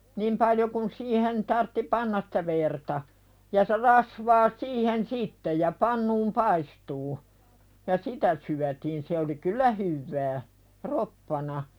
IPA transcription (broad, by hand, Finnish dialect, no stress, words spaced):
nim pɑljo kun siːhen tɑrtːi pɑnːɑs sĭ̥tæ ʋertɑ jɑ se rɑsʋɑː siːhen sitːe jɑ pɑnːuːm pɑistuː jɑ sitæ syætiːn se oli kylˑæ hyʋːæː ropːɑnɑ